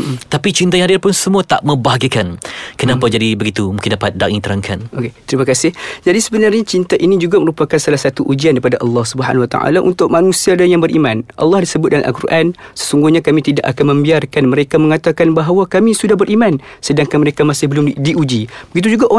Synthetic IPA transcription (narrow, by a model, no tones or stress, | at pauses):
t̪apit͡ʃint̪̬ajaŋhadɪrpʊnsəmuat̪aʔmə̃baɦaɡikankənãpad͡ʒadibəɡit̪umũkɪndapat̪̚daʔŋĩt̪əɾaŋkʰanoket̪əɾimakasɪhd͡ʒadisəbənarɲat͡ʃint̪aʔinĩd͡ʒuɡaməɾupakansalahsat̪uʔud͡ʒiankaipadaʔɑlːɑhsubəɦa̰nawat̪a̰ʔa̰laʔṵnt̪ʊʔ̚manũsiadanjaŋbəɾʔimanʔɑ̰lːɑhdisəbʊt̪̚dala̰ʔa̰lkurʔansə̥suŋɡuhɲakamit̪idaʔakanmə̃mbiarkanməɾekaməŋat̪akanbaɦawakamĩsudahbəɾʔiman | sədaŋkanməɾekamasɪhbəlʊmdiʔud͡ʒibəɡit̪̬ud͡ʒuɡaʔo